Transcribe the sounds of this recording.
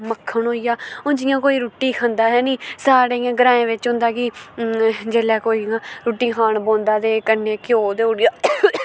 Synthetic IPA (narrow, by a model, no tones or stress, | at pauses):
məkʰːəɳɦoːiːjaːʊnd͡ʒɪjãːkoːiːɾuːʈːiːkʰə̃nd̪aːɦɛːniːsaːɽeːjãːɡəɾãːẽːʋɪt͡ʃɦʊ̃nd̪aːkɪ | d͡ʒeːlɛːkoːiːãːɾuːʈːiːkʰaːɳbõːnd̪aːt̪eːkənːeːkɪjoːt̪eːoɽjaː